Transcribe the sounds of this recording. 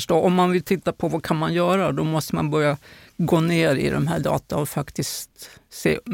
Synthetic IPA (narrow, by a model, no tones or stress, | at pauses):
ʂʈoːʔɔmːanvɪlt̪ʰɪt̪ːapʰɔvakʰanmanjœːɾad̪ɔmɔst̪əma̰nbœɾjaɡoːneːɾɪ̰d̪ɛ̰mɦæːɖɑ̰ːt̪aɔfakt̪ɪst̪sḛː